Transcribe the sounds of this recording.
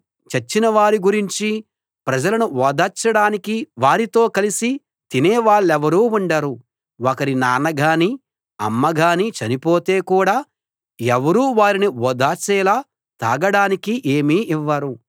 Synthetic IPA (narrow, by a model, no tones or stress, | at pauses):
t͡ʃet͡ʃːinɐʋaːɾiɡuɾiɲt͡ʃi | pɾɐd͡ʒɐlɐnuʋɔːd̪aːt͡ʃɐɽaːnikiʋaːɾit̪o̞ːkɐlisi | t̪ineːʋaːɭːɛʋɐɾuːuɳɖaɾu | okɐɾinaːnɐɡʱaːni | ɐ̰mːɐɡʱaːnit͡ʃɐnipo̞ːt̪e̞ːkuːɽaː | ɛʋɐɾuːʋaːɾiniɔːd̪aːt͡ʃɛːlaː | t̪aːɡɐɽaːnikiʔeːmiːʔiʋːɐɾu